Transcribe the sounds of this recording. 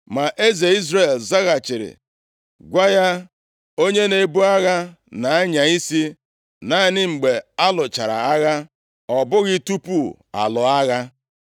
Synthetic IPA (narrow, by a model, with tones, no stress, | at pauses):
ma˨ʔe˦ze˨i˦zɾe˨lza˦ɣa˨t͡ʃɪ˨ɾɪ̰˨ | ɡʷa˦ja˦ | o˦ɲe˦ne˨bu˦a˦ɣa˦ | na˨a˦ɲa˨i˦si˦ | na˦˨nɪ˦ŋ͡m̩˨ɡ͡be˨a˦lʊ˨t͡ʃa˨ɾa̰˨a˦ɣa˦ | ɔ˨bʊ˦ɣɪ˦tu˦pu˦˨ | a̰˨lʊ˨a˦ɣa˦